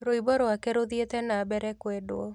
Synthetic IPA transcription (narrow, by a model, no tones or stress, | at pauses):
ɾoibɔɾowakɛɾoðiet̪ɛnabɛɾɛkwɛdoɔ